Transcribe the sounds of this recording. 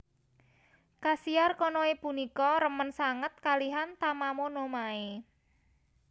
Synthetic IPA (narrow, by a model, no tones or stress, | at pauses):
kasiarkɔnɔepunikɔɾəmənsaŋət̪̚kaliɦant̪amamonomae